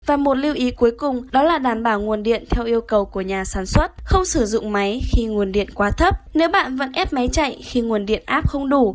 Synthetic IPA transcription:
vaː˨˩mo˨˩t̚li˧əwʔi˨˦ku˨˦jkʊ˨˩ŋ͡mɗɔ˨˦laː˨˩ɗaː˨˩nɓaː˧˩wŋu˨˩ənɗḭ˧˨ənt̪ʰɛ˧wʔi˧əwkə˨˩wku˧˩əɲaː˨˩saː˧˩nswə˦˥t̚xə˧wŋ͡msɨ˧˩zʊ̰˧˨ŋ͡mma˨˦jxi˧ŋu˨˩ənɗḭ˧˨ənkwaː˨˦t̪ʰə˦˥p̚ne˨˦wɓa̰ː˧˨nvə̰˧˥nʔɛ˦˥p̚ma˨˦jt͡ɕa̰˧˨jxi˧ŋu˨˩ənɗḭ˧˨ənʔaː˦˥p̚xə˧wŋ͡mɗu˧˩

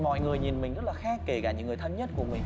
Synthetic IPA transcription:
mɔ̰˧˨jŋɨ˨˩əjɲi˨˩nmï˨˩ŋ̟zə˦˥t̚laː˨˩xaː˦˥kːe˧˩kaː˧˩ɲɨ̰˧˥ŋɨ˨˩əjt̪ʰə˧mɲə˦˥t̚ku˧˩əmï˨˩ŋ̟

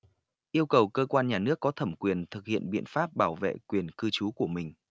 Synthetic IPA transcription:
ʔi˧əwkə˨˩wkəː˧kwaː˧nɲaː˨˩nɨ˦˥əkːɔ˨˦t̪ʰə˧˩mkwi˨˩ənt̪ʰɨ˨˩k̚hḭ˧˨ənɓḭ˧˨ənfaː˦˥p̚ɓaː˧˩wvḛ˧˨kwi˨˩ənkɨ˧t͡ɕu˨˦ku˧˩əmï˨˩ŋ̟

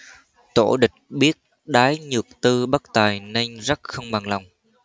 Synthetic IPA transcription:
t̪o̰˧˩ɗï˨˩k̟̚ɓi˦˥ət̚ | ɗaː˨˦jɲɨ˨˩ək̚t̪ɨ˧ɓa˦˥k̚t̪aː˨˩jna˧jŋzə˦˥t̚xə˧wŋ͡mɓa˨˩ŋla˨˩wŋ͡m

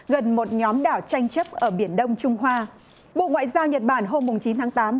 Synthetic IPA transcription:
ɣə˨˩nmo˨˩t̚ɲɔ˨˦mɗaː˧˩wt͡ɕa˧jŋ̟t͡ɕə˦˥p̚ʔəː˧˩ɓi˧˩ənɗə˧wŋ͡mt͡ɕʊ˧ŋ͡mɦwaː˧ | ɓo̰˧˨ŋwa̰ː˧˨zaː˧wɲə˨˩t̚ɓaː˧˩nɦo˧mːʊ˨˩ŋ͡mt͡ɕi˨˦nt̪ʰaː˨˦ŋt̪aː˨˦m

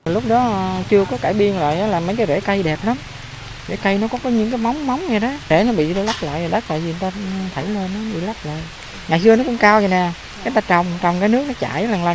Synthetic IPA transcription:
lʊ˦˥k͡p̚ɗɔ˨˦t͡ɕɨ˧əkɔ˨˦kaː˧˩jɓi˧ənla̰ː˧˨jʔəː˨˦laː˨˩mə˨˦jkaː˨˦jzḛ˧˩kə˧jɗɛ˨˩p̚la˨˦m | zḛ˧˩kə˧jnɔ˨˦kɔ˨˦kɔ˨˦ɲɨ̰˧˥ŋk̬aː˨˦jma˨˦wŋ͡mma˨˦wŋ͡mɲaː˨˩ɗɔ˨˦ze˧˩nɔ˨˦ɓḭ˧˨˧la˦˥p̚la̰ː˧˨ja˨˩ɗa˦˥k̪̚a̰ː˧˨jzi˨˩˨ŋt̪aː˧t̪ʰə˧˩jle˧nːɔ˨˦ɓḭ˧˨la˦˥p̚la̰ː˧˨j | ŋaː˨˩jsɨ˧ənɔ˨˦˥kʊ̰˧˥ŋ͡mkaː˧wza˨˩nɛ˨˩ | kaː˨˦jt̪aː˧˩t͡ɕa˨˩wŋ͡mt͡ɕɔ˨˩wŋ͡mkaː˨˦jnɨ˦˥ək̚nɔ˨˦t͡ɕa̰ː˧˨jlaː˨˩ŋlaː˨˩

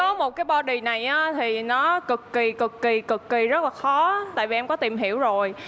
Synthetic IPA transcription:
kɔ˨˦mo˨˩t̚kaː˨˦jɓɔ˧ɗi˨˩na˨˩jʔaː˨˦t̪ʰi˨˩nɔ˨˦kɨ˨˩kːi˨˩kɨ˨˩kːi˨˩kɨ˨˩kːi˨˩zə˦˥laː˨˩xɔ˨˦t̪a̰ː˧˨jvi˨ʔɛ˧mŋ͡mkɔ˨˦t̪i˨˩mɦi˧˩əwzo˨˩j

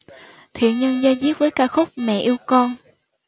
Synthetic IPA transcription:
t̪ʰḭ˧˨ənɲə˧nzaː˧jzi˦˥əp̚vəː˨˦jkaː˧xʊ˦˥k͡p̚mɛ̰˧˨ʔi˧əwkɔ˧n

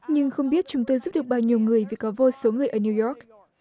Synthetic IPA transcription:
ɲɨ˧ŋxə˧wŋ͡mɓi˦˥ət̚t͡ɕʊ˨˦ŋ͡mt̪o˧jzu˦˥p̚ɗɨ˨˩ək̚ɓaː˧wɲi˨˩əwŋɨ˨˩əjvi˨˩kɔ˨˦vo˧so˨˦ŋɨ˨˩əjʔəː˧˩ni˧wjɔ˦˥k̚

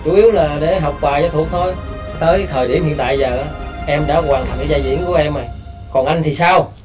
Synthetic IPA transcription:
t͡ɕu˨˦ʔi˨˦əwlaː˨˩˨ɗe˨˧˩ɦa˨˩wk͡p̚kwaː˨˩jɔ˨˧˦t̪ʰu˧˩ək̚t̪ʰo˧j | t̪əː˨˦jt̪ʰəː˨˩jɗi˧˩əmhḭ˧ənt̪a̰ː˧˨jzəː˨˩ʔaː˨˦ʔɛ˧mɗa̰ː˧˥kwaː˨˩ŋt̪ʰa˨˩ŋka˨˦zaː˧zḭ˧˥ənku˨˩˦əʔɛ˧mːa˨˩j | kɔ˨˩nʔa˧jŋt̪ʰi˨˩saː˧w

